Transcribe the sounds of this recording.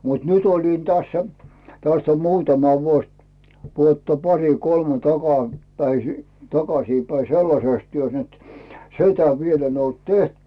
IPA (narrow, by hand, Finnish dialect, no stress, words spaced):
mut nyt olin tæsːæ tæst om muːtɑmɑ ʋuos ʋuotːɑ pɑri kolme tɑkɑ pæisi tɑkɑsiːpæi selːɑseˑs tyøs net si̞tæ ʋiel en olt teht